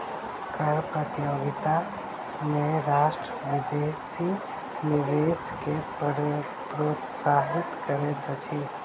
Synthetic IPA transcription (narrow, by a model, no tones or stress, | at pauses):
kəɾpɾət̪ijoːɡɪt̪a | meɾaːʃʈɾəʋɪd̪esi | nɪʋeskep | pɾoːt̪saːɦɪt̪kəɾet̪at͡ʃʰi